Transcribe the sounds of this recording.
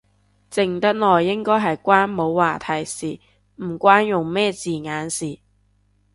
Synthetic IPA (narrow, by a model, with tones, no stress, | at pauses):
t͡sɪ˨˩ŋt̪ɐ˥t̚lɔː˨jːɪ˥ŋkɔː˥jɦɐ˨jkʷaː˥nmo˨˧wwaː˨t̪ʰɐ˨˩jsiː˨˩ | m̩˨˩kʷaː˥njʊ˨ŋmɛː˥˧t͡siː˨˩ŋaː˨˥nsiː˨˩